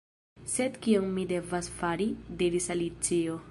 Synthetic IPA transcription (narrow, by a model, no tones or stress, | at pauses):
sed̪kionmide̞vasfaɾidiɾisalit͡sio